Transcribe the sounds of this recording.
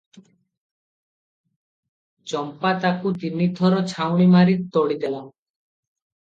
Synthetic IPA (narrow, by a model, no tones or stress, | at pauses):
t͡ʃɔmpat̪akut̪inid̪ʱɔɾɔt͡ʃʰawɽ̃imaɾitt̪ɔɽid̪ela